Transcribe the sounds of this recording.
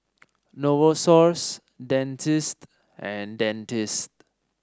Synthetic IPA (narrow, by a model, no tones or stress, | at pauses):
nowosɔɹs | dɛ̃ntist | ɛ̃ndɛ̃ntist